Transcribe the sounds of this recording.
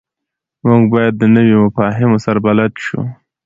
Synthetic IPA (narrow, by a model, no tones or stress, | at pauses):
muɡbɑjad̪ːənəwemʊfɑɦɪmosaɾabalat̪ʃṵ